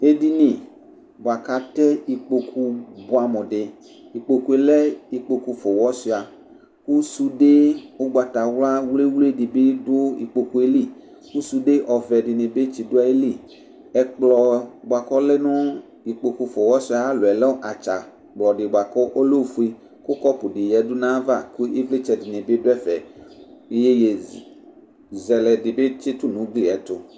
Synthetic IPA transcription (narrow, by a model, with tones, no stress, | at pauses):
e˦di˦nĩ˨ | ba˨ka˨t̪ɛ˦i˨k͡po˨kʰu˦bo˨˦a˨mɔ̃˨ɖe˨ | i˨k͡po˨ku˦e˨lɛ˦i˨k͡po˨ku˧fɔ˨wɔ˦si˨˦˨a˨ | ku˦su˦ɖe˦o˦ɡ͡ba˨t̪a˨wla˦wle˦wle˦ɖi˨be˦do˦ḭ˨k͡po˨ku˦e˦li˦˨ | ku˦su˦ɖe˦ʔɔ˨vɛ˨ɖi˨nẽ˨be˦t͡ʃi˨do˦a˦e˦li˦ | ɛ˨k͡plɔ˨bo˨a˨kɔ˦lɛ˦nɔ̃˦ | i˨k͡po˨ku˨fo˨wɔ˦si˦a˨˦lo˨ɛ˨lɔ˦ʔa˨t͡ʃa˨ | k͡plɔ˨ɖɪ˨ba˨kɔ˦ʔo˦lo˦fu˨i˦ | kʊ˦kɔ˦pu˨ɖi˨jɛ˨˦du˦nã˦va˦˨ku˦e˦vle˦t͡ʃɛ˨di˨nẽ˨be˦dʊ˦ɛ˦fɛ˨e˦je˦je˨ | zɛ˨lɛ˨dɪ˨be˦t͡ʃe˦t̪u˦nũ˨˦ɡli˦ɛ˨˦t̪ʊ˨